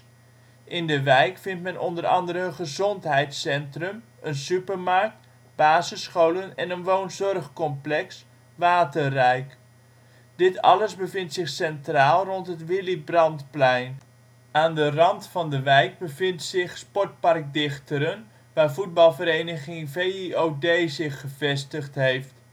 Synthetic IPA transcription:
ʔɪndəʋɛjkfɪntmɛnʔɔndərɑ̰ndəɾəənχəzɔntɦɛjtsɛntrəm | ənsypərmark̚t | b̥aːzəsχowlənɛnənʋownzɔrχkɔmplɛks | ʋaːtərːɛjk | d̥ɪtɑ̰ləzbəvɪntsɪχsɛntraːlˠrɔntɦətʋɪlibrɑntplɛjn | aːndərɑntfɑndəʋɛjk̚bəvɪntsɪχspɔɹt̚pɑrk̚dɪχtəɾən | ʋaːɹvud̚bɑlˠvəɾejnəχɪŋvejiowdejzɪχːəvɛstəχtɦejft

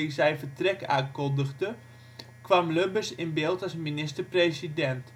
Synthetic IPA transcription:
izɛjfətrɛka̰ːkɔndəɣdə | kʋamløbəsɪnbɪːlˠtasminɪstərprejsidɛnt

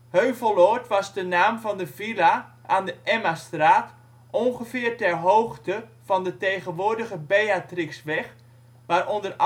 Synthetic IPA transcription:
høɥvəlˠɔtʋɑzdənaːmvɔndəvilaʔaːndəʔɛmastraːt | ʔɔnχəfɪːərtɛrɦoːxtəvɔndətejɣənʋʊːɹdəɣəbejatriksʋɛx | ʋaːrʔɔndər

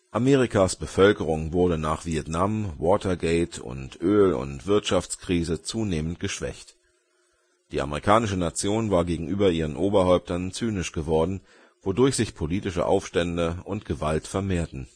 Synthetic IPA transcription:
ʔameːʁ̞ikʰasb̥əfœlkəʁʊŋvʊɐdənaːχv̥iɛtnamwɔːtʰɐɡɛɪtʰʊ̰ntʔøːlʊ̰ntv̥ɪɐtʃaft͡skʁ̥iːzət͡suːneːmən̩tɡ̥əʃv̥ɛ̰çt | d̥iːʔa̰məʁikʰaːnɪʃənat͡sjoːnvaːɐɡeːɡŋ̩ʔyːbɐʔiːʁ̞ənʔoːbɐhɔʏp̚tɐnt͡syːnɪʃɡ̥əvɔɐdn̩ | vodʊɐçz̥ɪçpʰoliːtɪʃə̰ʔa̰ʊfʃtɛndəʊntɡ̥əvaltfɛɐmeːɐtn̩

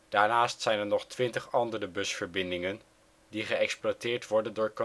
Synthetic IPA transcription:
d̥aːɹnaːstsɛjnɛɹnɔχtʋɪntəχɑndərəbɵsfəɹbɪndɪŋən | diχəɛksplwaːtɪːɹtʋɔɹdəndʊːɹko

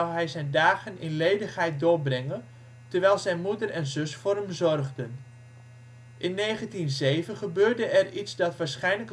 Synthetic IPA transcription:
wɦɛjzɛjndaːɣənʔɪnlejdəχɦɛjt̚dʊːɹbrɛŋən | təɹʋɛjlˠzɛjnmudərɛnzɵsfʊːrɦəmzɔrɣdən | ʔɪnːejχəntinzejvəχəbøːrdəɛritsdɑtʋaːɹsχɛjnlək

